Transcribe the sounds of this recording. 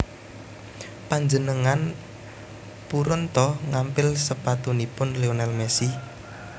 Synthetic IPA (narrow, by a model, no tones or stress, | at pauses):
paɲd͡ʒənəŋan | puɾɔnt̪ɔŋampɪlsəpat̪unipʊnleonalmɛsi